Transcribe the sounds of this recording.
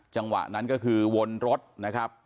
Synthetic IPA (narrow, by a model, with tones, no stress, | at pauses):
t͡ɕa˧ŋwa̰˨˩ʔna˦˥nkɔ˥˩kʰɯː˧wo˧nɾo˦˥t̪̚na˦˥kʰɾa˦˥p̚